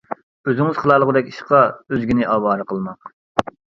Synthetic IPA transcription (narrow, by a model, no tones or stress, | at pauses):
øzɪŋɪz̥χʰəlˠɑlˠəʁəd̪ɛkʲi̥ʃqʰɑøzɡʲinɪʔɑːwɑːɾɨqəlˠmɑq